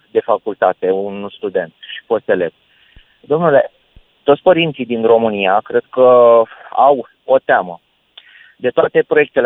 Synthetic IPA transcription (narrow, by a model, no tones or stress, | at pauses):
d̪e̞fakult̪at̪e̞unst̪ud̪e̞nt̪ʃi̥fo̞st̪e̞leb̪̚ | d̪o̞mnule̞̰ | t̪ot̪sʲpəɾint̪sid̪inro̞mɨniakɾe̞d̪̚kə | aw | o̞t̪eamə | d̪e̞t̪oat̪e̞pɾo̞je̞k̚t̪e̞l